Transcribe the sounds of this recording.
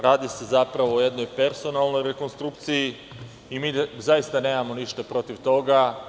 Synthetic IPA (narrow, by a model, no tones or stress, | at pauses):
ɾaːd̪ise̞zapɾaʋo̞ːje̞d̪no̞jpe̞ɾso̞nalˠno̞jɾe̞ko̞nst̪ɾukt̪siji | imiːzajist̪ane̞ːmamo̞niʃt̪apɾo̞t̪iʋt̪o̞ɡa